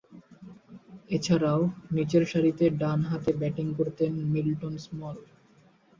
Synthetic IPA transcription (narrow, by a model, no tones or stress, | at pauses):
et͡ɕʰaɾaonit͡ɕeɾʃaɾit̪eɖanɦat̪ebɛʈiŋkoɾt̪enmilʈonsmɔl